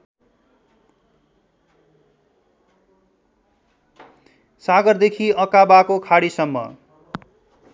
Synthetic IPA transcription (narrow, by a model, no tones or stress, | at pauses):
saɡʌrd̪ekʰiʌkabakokʰaɽisʌmːʌ̰